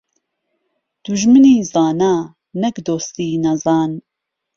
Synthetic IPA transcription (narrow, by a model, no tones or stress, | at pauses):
d̪̥uʒmɨniːzɑːnaː | nɐkd̪oːst̪iːnɐzɑːn